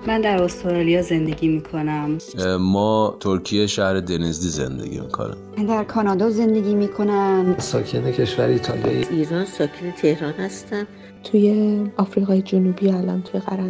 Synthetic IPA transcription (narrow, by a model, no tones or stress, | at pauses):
mænd̪æɾost̪ɾɒːlijɒːze̞nd̪e̞ɡiːmiːkʰo̞næmmɒːt̪ʰoɾcʰijeʃæhɾe̞d̪enizd̪iːze̞̰nd̪ḛɟʲḭmḭkʰo̞̰nḭ | d̪æɾkʰɒːnɒːd̪ɒːze̞nd̪e̞ɡʲiːmiːkʰo̞nænsɒːcʰenecʰe̞ʃvæɾit̪ʰɒlijɒ̰ːjeʔiːɾɒːnsɒːcʰenet̪ʰe̞hɾɒːnhæst̪æn | t̪ʰuːje̞ɒːfɾiːɣɒːjed͡ʒonuːbiælɒ̰nt̪ʰuːje̞ɣæɾæ